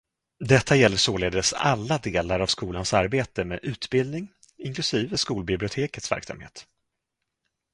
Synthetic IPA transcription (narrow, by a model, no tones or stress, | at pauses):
d̪ɛt̪ʰːajɛlːəʂoːleːd̪əsa̰lːad̪eːlaɾavskuːlansaɾbeːt̪əmḛːʔʉ̟ːt̪bɪld̪nɪŋ | ɪŋklɵsiːvəskuːlbɪblɪʊt̪ʰeːkət̪svæ̰ɾksa̰mhḛːt̪